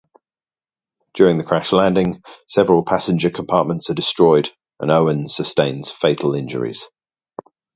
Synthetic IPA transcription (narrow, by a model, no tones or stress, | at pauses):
d̥j̥ɔːɹɪ̃ŋðəkʰɹ̥aʃlãndɪ̃ŋsɛvəɹəlˠpʰasɪ̃nd͡ʒəkʰə̃mpʰɑˑʔmə̃ntsədɪstɹ̥ɔɪd | ʔə̰̃nəʊə̃nsəstẽɪ̃nz̥feɪtʰˡəlɪ̃nd͡ʒə̰ɹɪ̰z̥